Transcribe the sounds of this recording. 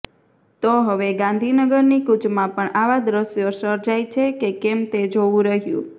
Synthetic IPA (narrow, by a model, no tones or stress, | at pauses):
t̪oɦəʋeɡãnd̪ʱinəɡəɾnikud͡ʒmãpəɳaʋad̪ɾəsjosəɾd͡ʒajt͡ʃʰekekɛmt̪ed͡ʒoʋũɾəɦjṵ̃